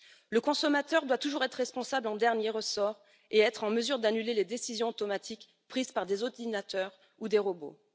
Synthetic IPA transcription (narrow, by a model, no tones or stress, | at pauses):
ləkɔ̃sɔmat̪œʁd̪wat̪uʒuʁɛt̪χʁɛspɔ̃sablɑ̃d̪ɛʁnjeʁəsɔʁ | eɛt̪χɑ̃məzyʁd̪anyleled̪esizjɔ̃ot̪ɔmat̪ʰik | pχizpaʁd̪ezɔʁd̪inat̪œʁ | ud̪eʁobo̰